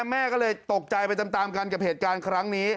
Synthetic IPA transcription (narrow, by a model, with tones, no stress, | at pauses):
mɛː˥˩kɔː˥˩lɤː˧jt̪o˨˩k̚t͡ɕa˧jpa˧jt͡ɕ̪a˧mt̪aː˧mka˧nka˨˩heː˨˩t̪̚kaː˧nkʰɾa˦˥ŋniː˦˥